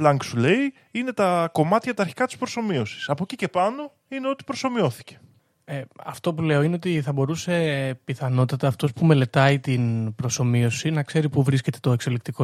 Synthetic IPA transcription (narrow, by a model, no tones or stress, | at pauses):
plɐŋksulei | ine̞t̪ɐko̞mɐt̪çɐt̪ɐːɾçi̥kɐt̪i̥spɾo̞so̞mio̞si̥sɐpo̞cice̞pɐno̞ | ineo̞t̪i̥pɾo̞so̞mio̞θi̥ce̞̥ | eɐ̰ft̪o̞pule̞o̞ine̞o̞t̪iθɐbo̞ɾuse̞piθɐno̞t̪ɐt̪ɐːft̪o̞spume̞le̞t̪ɐit̪inpɾo̞so̞mio̞sinɐkse̞ɾipuvɾisce̞t̪e̞t̪o̞e̞kso̞lik̚t̪iko